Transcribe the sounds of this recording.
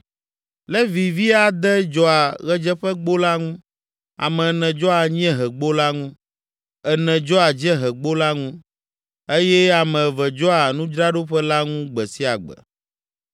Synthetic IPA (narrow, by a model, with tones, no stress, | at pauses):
lɛ˦vi˨vi˦a˨d̪ɛ˦d͡ʒɔ˦a˨ɣɛ˦d͡ʒɛ˦ɸɛ˦ɡ͡bo˦la˦ŋũ˦ | a̰˨mɛ̃˨nɛ̃˨d͡ʒɔ˦a˨ɲĩ˦ɛ̃˦ɦɛ˨ɡ͡bo˦la˦ŋũ˦ | ɛ˨nɛ̃˨d͡ʒɔ˦a˨d͡ʒɛ˦ɦɛ˨ɡ͡bo˦la˦ŋũ˦ | e˦jɛ˦a˨mɛ̃˨vɛ˨d͡ʒɔ˦a˨nũ˦d͡ʒɾa˦ɖo˦ɸɛ˦la˦ŋũ˦ɡ͡bɛ˨si˦a˨ɡ͡bɛ̰˨